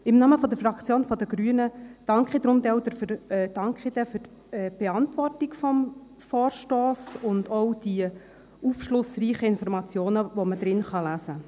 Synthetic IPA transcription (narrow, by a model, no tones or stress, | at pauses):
ɪmnɑːməfɔd̪əɾfɾɑkt͡sjoːnfɔd̪əɡɾyənəd̥ɑŋkχid̥̪ɾʊmd̪ɛwd̪əɾfd̥ɑŋkχid̥̪ɛfyɾ | ɛːb̥ɛɑntvɔrtɪkfɔm | fɔːɾʃtoːsʊndɔwd̥i | ufʃlʊsriːχəɪnfɔɾmɑt͡sjoːnəvoməd̪ɾɪnχɑlæzə